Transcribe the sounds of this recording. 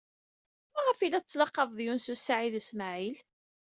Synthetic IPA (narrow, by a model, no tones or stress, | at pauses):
mæʁəfilːæt͡sːlɑqːɑðˤðjunsusaʕiðəsmaʕil